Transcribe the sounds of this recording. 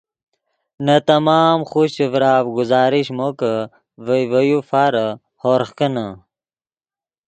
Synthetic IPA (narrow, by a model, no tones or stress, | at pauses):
nɐt̪ɐmaːmχuɕivɾaːvɡʊzaːɾiɕmokə | vəjʋəjufaɾə | hoɾχkənə